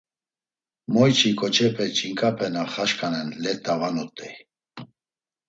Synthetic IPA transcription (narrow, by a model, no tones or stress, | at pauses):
mɔjt͡ʃʰikʼɔt͡ʃʰɛpʰɛt͡ʃʼiŋkʼapʰɛnaχaʃkʰʼanɛnlɛt̪ʼːavanɔt̪ʼːɛ